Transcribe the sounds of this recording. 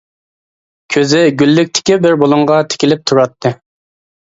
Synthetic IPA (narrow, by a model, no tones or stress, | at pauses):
kʲʰøzɪɡʲylːyk̚ʲt̪ʰɪ̥kʲibɪɾbolˠuɴʁɑt̪ʰɪ̥kʲɪlɪp̚t̪ʰuɾɑt̪ʰːɨ